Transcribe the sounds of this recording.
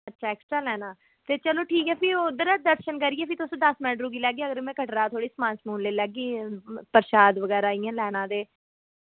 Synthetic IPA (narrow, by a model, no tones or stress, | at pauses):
ətːʃʰaːɛːksʈɾaːlɛːnaː | t̪eːt͡ʃəloːʈʰiːkɦɛːpʰɪod̪əɾːd̪əɾʃənkəɾiːeːpʰɪt̪ʊsõːd̪əsmɛ̃ːʈɾuːɡiːlɛːɡiːəɡəɾmɛ̃ːkəʈɾaːt̪ʰoːɽiːsmãːnsmũːnleːlɛːɡiːpəɾʃaːd̪ʋəɡɛːɾaːiːãːlɛːnãːd̪eː